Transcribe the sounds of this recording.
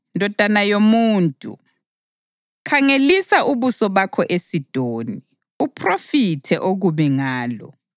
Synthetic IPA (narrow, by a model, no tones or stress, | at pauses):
ndʱɔd̥ʱanajomuːntʼṵ | kʰaŋelisaʔuβusɔβakʰɔʔesid̥ʱoːni | upʰʼrofitʰɛʔoɣuβɛŋaːlɔ̰